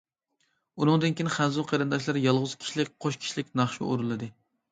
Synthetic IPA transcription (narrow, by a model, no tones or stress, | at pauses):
unɨŋd̪ɨnkʲinχænzʊqʰɑɾɨnd̪ɑʃlˠɑɾjɑlˠʁʊz̥kʲʰi̥ʃlɪk̚ʲqʰoʃkʲʰi̥ʃlɪkʲnɑχʃṵoɾulˠɨd̪ɨ